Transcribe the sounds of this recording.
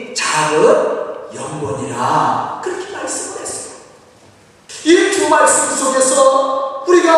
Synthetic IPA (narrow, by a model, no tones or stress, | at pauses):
t͡ɕaɡɯnjʌŋɡwʌɲiɾakɯɾʌkʰimaɭs͈ɯmɯnɦes͈ɯ̥ | it͡ɕuŋmaɭs͈ɯmkusʰoɡesʰʌʌkuɾiɡʌ